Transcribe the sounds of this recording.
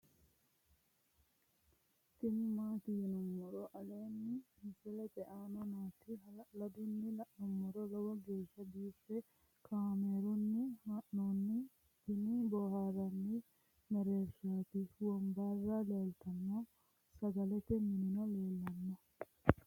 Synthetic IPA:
t̪ɪmːaːt̪iːnɔwɔɾɔʔɐle̞ːnːɪmɪfɛlɛt̪ɛʔaːnɐnaːt̪ɪɦɐlɐd̪ʊnːɪlɐʔnɔmːɔɾɔlɔwɐɡeːʃːɐbiːfːɛ | kʰaːmeːɾʊnːɪhaʔnoːnːɪ | t̪ɪnibɔːhaːɾɐnːɪ | mɛɾeːɾʃaːt̪ɪwɔmbaːrːaːleːlt̪ɐmːɔ | sɐɡɐlɛt̪ɛmɪnɪnɔle̞ːlːɐnːɔ

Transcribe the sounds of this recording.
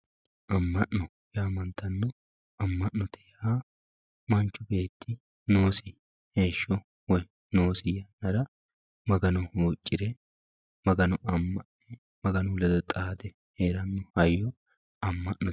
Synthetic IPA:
ʔɐmːɐʔnɔ | jaːmɐnt̪ːɐnːɔ | ɐmːɐʔnɔt̪ʰɛ̥haː | mɐnt͡ʃːʊbe̞ːt̪ʰːɪ | noːsɪ | he̞ːʃːɔ | wɔj | noːsɪjɐnːɐɾɐ | mɐɡɐnɔhuːt͡ʃʼːɪɾɛ | mɐɡɐnɔʔɐmːɐʔɛ | mɐɡɐnʊlɛd̪ɔt̪ʼaːd̪ɛ | heːɾɐnːɔhɐjːɔ | ɐmːɐʔnɔ

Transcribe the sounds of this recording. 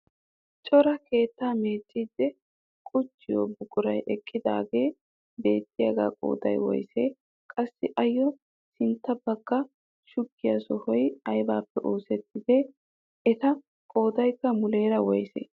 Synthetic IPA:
t͡ʃʼɔɾɐke̞ːt̪ːaːmeːt͡ʃʼːiːd̪ːɛ | kʼʊt͡ʃːɪjo̰ːbʊkʼʊɾɐjʔɛkʼːɪd̪a̰ːɡe̞ː | be̞ːt̪ʼːɪjɐɡa̰ːkʼo̰ːd̪ɐ̰jwɔ̰jseː | kʼɐsːɪʔɐjːɔ | sɪnt̪ːɐbɐɡːɐ | ʃʊkːɪjɐsɔhɔjɐjbaːpːɛʔoːsɛt̪ːɪd̪ɛ | ɛt̪ɐ | kʼo̞ːd̪ɐjkːɐmʊle̞ːɾɐwɔjsḛː

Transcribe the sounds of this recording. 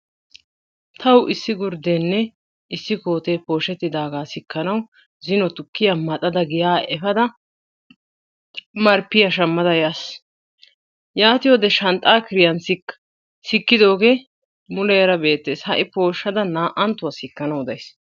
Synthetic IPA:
t̪ʰɐwʔɪsːɪɡʊɾd̪eːnːɛ | ɪsːɪko̞ːt̪eːpo̞ːʃɛt̪ːɪd̪aːɡaːsɪkːɐnɐw | zɪnɔt̪ʊkːɪjɐmɐt̪ʼɐd̪ɐɡɪjaːʔɛfɐd̪ɐ | mɐɾpːɪjɐʃɐmːɐd̪ɐjas | jaːt̪ɪjod̪ɛʃɐnt̪ʼaːkɪɾɪjɐnsɪkː | sɪkːɪd̪o̞ːɡe̞ː | mʊlɛjɐɾɐbe̞ːt̪ːeːshɐʔɪpo̞ːʃːɐd̪ɐnaːʔɐnt̪ːʊwɐsɪkːɐnɐwd̪ɐjs

